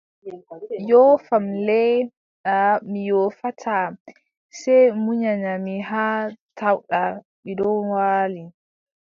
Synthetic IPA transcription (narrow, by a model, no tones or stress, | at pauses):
jɔːfamlɛ | ɗamijɔːfatʰa | sɛjmuɲaɲamiɦatʰawɗa | midɔwaːli